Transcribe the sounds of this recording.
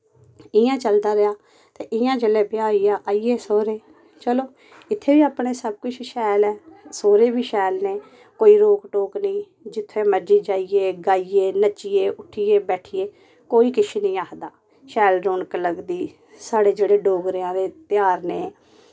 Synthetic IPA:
ɪ̃jãːt͡ʃəld̪aːɾɪjaː | t̪eːʔɪ̃jãːt͡ʃəleːbɪaːiːaːʔaːieːsoːɾeː | t͡ʃəloː | ɪt̪ʰːeːbiːaːpɳeːsəb̚kʊt͡ʃʰʃɛːlɛːsoːɾeːbiːʃɛːlneː | koːiːɾoːkʈoːknĩː | d͡ʒɪt̪ʰːẽːməd͡ʒiːd͡ʒaːieːɡaːieːnət͡ʃieːʔʊʈʰiːeːbɛːʈʰieː | koːiːkɪʃʰeːnĩːaːkd̪aː | ʃɛːlɾoːɳkləɡd̪iː | saːɽeːd͡ʒeːɽeːɖoːɡɾɪãːd̪eːt̪ɪjaːɾneː

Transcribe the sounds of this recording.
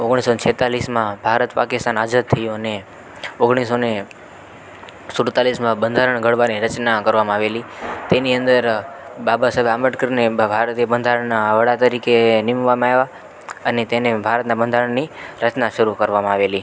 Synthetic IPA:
oɡɳisonet͡ʃʰɛt̪alismãbʱaɾət̪pakɪst̪anad͡ʒat̪̚t̪ʰːəjũəne | oɡɽ̃isone | suɽt̪alismãbənd̪ʱaɾəɳɡʱəɽʋaniɾət͡ʃnakəɾʋamãaʋelit̪eniənd̪əɾbabasəbʱaməʈkɾnebʱaɾt̪iebənd̪ʱaɾəɳnaʋəɽat̪əɾikenimʋamãaeʋa | ənet̪enebʱaɾət̪nabənd̪ʱaɾəɳniɾət͡ʃnaʃəɾukəɾʋamãaʋeli

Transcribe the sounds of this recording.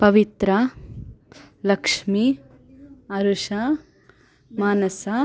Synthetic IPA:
pɐʋit̪ɾɐ | lɐkʂmi | ɐɾuʂa | maːnɐsa

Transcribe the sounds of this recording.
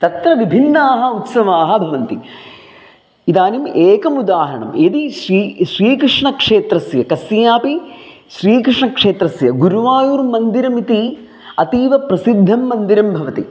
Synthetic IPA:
t̪ɐt̪ɾɐʋibʱinːaːɦɐ̆ut̪sɐʋaːɦɐbʱɐʋɐnt̪i | id̪aːnimeːkɐmud̪aːɦɐɾɐɳɐmed̪iʃɾiʃɾiːkɾɪʂɳɐkʂeːt̪ɾɐsjɐkɐsjaːpi | ʃɾiːkɾɪʂɳɐkʂeːt̪ɾɐsjɐɡuɾuʋaːjuːɾmɐnd̪iɾɐmit̪i | ɐt̪iːʋɐpɾɐsid̪ʱːɐmːɐnd̪iɾɐmbʱɐʋɐt̪ḭ

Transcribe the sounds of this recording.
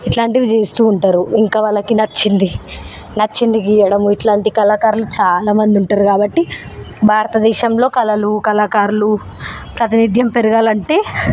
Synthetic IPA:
iʈlaːɳʈiʋit͡ʃeːst̪uːɳʈaːɾuiŋkaːʋɐlːɐkinɐt͡ʃːind̪i | nɐt͡ʃːind̪ikiːɐɽɐmuiʈlaːɳʈikɐlaːkaːɾulut͡ʃaːlaːmɐnd̪iuɳʈaːɾukaːbɐʈːi | bʱaːɾɐt̪ɐd̪ɛːʃɐmlo̞ːkɐlɐlukɐlaːkaːɾulu | pɾɐt̪inid̪ʱjɐmpe̞ɾuɡaːlɐɳʈe̞ː

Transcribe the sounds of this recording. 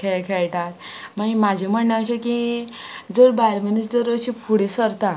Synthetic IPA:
kʰɛkʰɛɭʈat̪maimad͡ʑʱem̤əɳːãəɕeki | d͡zəɾbajlmənit͡sd͡zəɾəɕifuɽisəɾt̪a

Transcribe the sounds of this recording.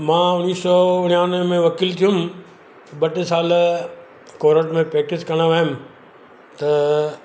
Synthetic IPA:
mãːʊniːsɔːʊnjaːʊ̃nmẽʋɐkiːlt̪ʰijũm | bɐʈɪsaːl | koːɾəʈmẽpɾeːk̚ʈɪskɐɽ̃aʋaːjʊmɪ̃ | t̪ɐ

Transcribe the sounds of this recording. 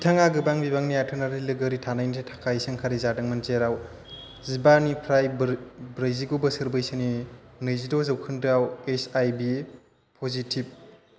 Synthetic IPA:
bitʰaŋaɡɯbaŋbibaŋnijatʰɯnaɾilɯɡɯɾitʰanajniɯtʰakʰajsɯŋkʰaɾizadɯŋmanzeɾaw | zibanipʰɾajbbɾajziɡubɐsɯɾbɯjsɯninɯjzidozɐwkʰɯndɯawesajbi | pʰozitʰib̚

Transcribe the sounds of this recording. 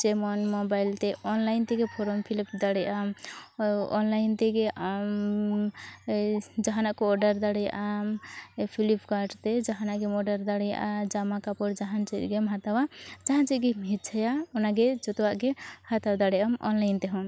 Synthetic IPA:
t͡ʃemɔnmobajlt̪eɔnlaɪnt̪eɡepʰoɾompʰilipd̪aɽɛjam | ɔ̰nlajnt̪eɡeʔam | d͡ʒaɦanakoɔɖəɾd̪aɽɛjʔampʰilipʰkaɾʈt̪ed͡ʒaɦanaɡemɔɖəɾd̪aɽeja̰d͡ʒamakapɔɾd͡ʒaɦant͡ʃitɡemɦat̪awad͡ʒaɦant͡ʃiɡemɦit̪t͡ʃʰəjaɔnaɡed͡ʒot̪waʔɡehat̪awd̪aɽɛamɔ̰nlaɪnt̪eɦɔm

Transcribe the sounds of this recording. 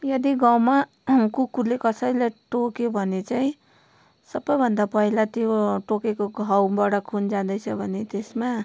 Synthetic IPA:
jʌd̪iɡãwma | kukulekʌsəjleʈokebʱʌnet͡saĩ | sʌbəjbʱʌnd̪apʌɦilat̪ioʈokekoɡʱawbaɽakʰund͡ʒãd̪ʌjt͡sʰʌbʱʌnet̪esma

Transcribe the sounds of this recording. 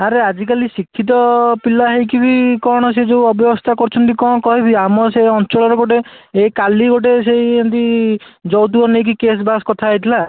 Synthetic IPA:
aɾead͡ʒikalisikʰːit̪̬ɔpilaɦejkibikɔɽ̃ɔs̬ed͡ʒeuɔbjɔbɔst̪ʰakɔɾt͡ʃʰɔnt̪ikɔ̃kɔɦibiamɔseɔnt͡ʃɔɭɔɾɔɡoʈe | ekaliɡoʈ̬esejent̪id͡ʒɔwt̪̬uɔnek̬ikes̬baskɔt̪ʰajt̪ʰila

